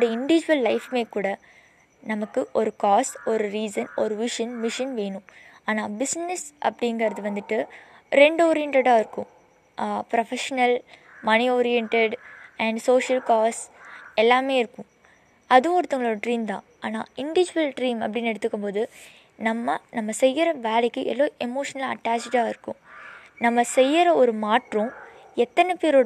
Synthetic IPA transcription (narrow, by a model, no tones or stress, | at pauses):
ɽɐɪɳɖɪʋɪd͡ʒʊʋɐlːɐɪfmeːkuːɽɐ | nɐmɐkːɯʔɔɾɯkaːsɔɾɯɾiːsɐnɔɾɯʋɪʂɐnʋɪʂɐnʋeːnʊ̃ | aːnaːbɪsnɛsʔɐ̰pːɐɽɪŋɡɐɾɐðɯʋɐnd̪ɯʈːɯ | ɾɛɳɖoːɾɪjɛɳʈɛɽaːɪɾɯkːʊ̃ | pɾɐfɛʂɐnɐl | mɐnioːɾɪjɛɳʈeɖɛɳɖsoːʂɐlkaːsɛlːaːmeːɪɾɯkːʊ̃ | ɐðɯ̃ɔɾɯt̪ːɐŋɡɐɭoːɾɐʈɾiːmd̪ã̰ː | aːna̰ːɪɳɖɪʋɪd͡ʒɪʋɐlɖɾiːmɐ̰pːɐɽɪnɛɽɯt̪ːɯkːɯmpoːðɯ | nɐmːɐnɐmːɐsɛjːɪɾɐʋeːlɛkːɯʔɛ̰lːoːʔɛmoːʂɐnɐlaɐʈːaːt͡ʃɖaːɪɾɯkːʊ̰̃nɐmːɐsɛjːɪɾɐɔɾɯmaːʈrʊ̃ | ɛt̪ːɐnɛpeːɾoː